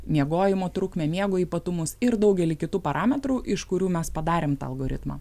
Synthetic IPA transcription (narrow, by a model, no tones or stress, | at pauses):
mʲiɛɡoːjɪmoːt̪ɾʊkmʲɛːmʲiɛɡoːiːpɐt̪ʊmʊsɪɾd̪ɒʊɡʲɛlʲiːkʲɪt̪uːpɐɾʔɑːmʲɛt̪ɾuːʔɪʃkʊɾʲuːmʲɛspɐd̪ɑːɾʲeːmt̪ɐ̰ːlˠɡoːɾʲɪ̰t̪mɑ̰